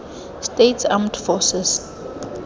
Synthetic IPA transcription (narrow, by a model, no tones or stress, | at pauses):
stetsãmtfɔsɛs